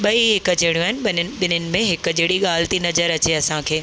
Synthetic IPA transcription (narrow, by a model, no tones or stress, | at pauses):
ɓɐiɦɪkə̆d͡ʑɐːɽjũaːɦɪnɪɓɪnɓɪnənɪ̆mẽɦɪkəd͡ʑɐːɽiɠaːlt̪inɐzəɾɐt͡ɕeɐsãkʰeː